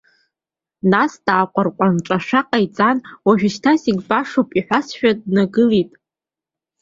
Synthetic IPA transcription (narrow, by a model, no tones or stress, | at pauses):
nasd̥aːqʷʼarqʷʼanʈ͡ʂʷʼaʂaqʼait͡sʼanwaʒᶣɪʃtʰasiɡʲbaʂopʼiħʷasʃᶣadnaɡɨlitʼ